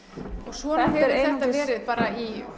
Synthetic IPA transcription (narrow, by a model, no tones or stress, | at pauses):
ɔɣsvɔːnahɛɾeθɛt̪avɛːɾɪðpaːɾai